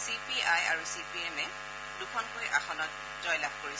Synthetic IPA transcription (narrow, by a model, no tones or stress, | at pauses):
sipiajaɹusipiɛmɛ | d̥ukʰɔnkojʔaxɔnɔt̚ | zɔjlab̚ʱkoɹis